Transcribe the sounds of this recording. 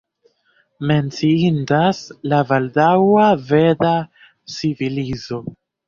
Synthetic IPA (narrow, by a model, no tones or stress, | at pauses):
me̞nt͡siindaslavaldawaveda | t͡sivilizo̞